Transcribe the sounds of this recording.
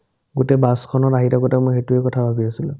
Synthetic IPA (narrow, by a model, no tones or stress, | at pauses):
ɡutɛbaskʰɔnɔaɦitaɡotamoxetuɛkɔtʰabʱabiasilʊ